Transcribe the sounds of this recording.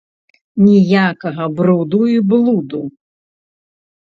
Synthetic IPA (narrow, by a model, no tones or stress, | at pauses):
nʲijakɐɣɐbɾud̪uiblˠud̪u